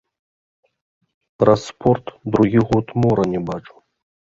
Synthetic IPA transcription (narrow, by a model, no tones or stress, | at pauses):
rɐspʰort̪d̪ɾuɣʲiɣot̪moɾɐnʲibaʈ͡ʂʼu̥